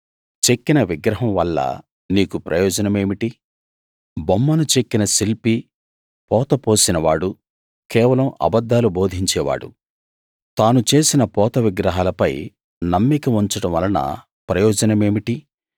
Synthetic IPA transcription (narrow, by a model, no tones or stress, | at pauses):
t͡ʃe̞kːinɐʋiɡɾɐɦɐmʋɐlːɐ̰ | niːkupɾʔɐjɔːd͡ʒɐnɐme̞ːmiʈi | bɐmːɐnut͡ʃekːinɐsilpi | pɔːt̪ɐpoːsinɐʋaːɽu | kɛːʋɐlɐmɐ̰bɐd̪ːaːluboːd̪ʱiɲt͡ʃɛːʋa̰ːɽṵ | t̪aːnut͡ʃe̞ːsinɐpɔːt̪ɐʋiɡɾɐɦaːlɐpɐj | nɐmːikɐmuɲt͡ʃɐɽɐmʋɐ̰lɐnɐ̰ | pɾɐjɔːd͡ʒɐnɐme̞ːmiʈi